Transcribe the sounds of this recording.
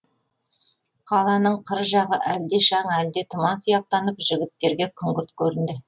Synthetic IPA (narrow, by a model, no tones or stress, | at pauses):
qʰɑlˠɑnəɴqʰəɾʒɑʁəʔæld̪e̞ʃɑɴæld̪et̪ʰʊmɑnsʊjɑq̚t̪ɑnəpʒɪɡʲɪt̪ːe̞ɾɡʲe̞kʲʰʏŋɡʲɪɾt̪kʲʰɵɾɪnd̪ɪ